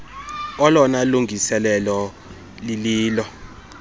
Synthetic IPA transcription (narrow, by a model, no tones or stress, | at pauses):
ɔlɔnaluŋʱisɛlɛlɔ | liliːlɔ